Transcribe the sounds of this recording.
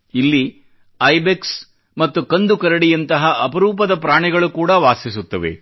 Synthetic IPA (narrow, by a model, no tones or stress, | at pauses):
ilːi | ɐjbeks | mɐt̪ːukɐnd̪ukɐɾɐɽijɐnt̪ɐɦɐʔɐpɐɾuːpɐd̪ɐpɾaːɳiɡɐɭukuːɽɐʋaːsisut̪ːɐʋḛ